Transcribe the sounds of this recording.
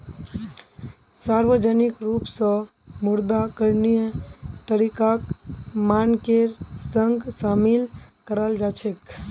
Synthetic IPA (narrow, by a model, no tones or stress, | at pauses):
saɾʋəd͡ʒənikɾupsə̃ | muɾd̪akəɾnijt̪əɾikakmankeɾsəŋɡsamil | kəɾəld͡ʒat͡ʃʰek